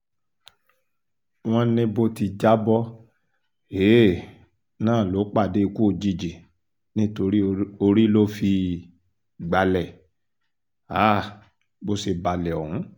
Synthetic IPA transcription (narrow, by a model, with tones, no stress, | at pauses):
w̃ɔ̃˦nĩ˧bo˧ti˧d͡ʒa˦bɔ˦ | eː˦˨ | nãː˦˨lo˨˦k͡pa˦˨de˦i˧ku˦o˧˨d͡ʒi˧d͡ʒi˨ | nĩ˦to˧ɾi˦o˧ɾi˦lo˦fi˧ | ɡ͡ba˨lɛ˨ | a˦˨ | bo˧se˧˨ba˨lɛ˨ɔ˨hũ˨˦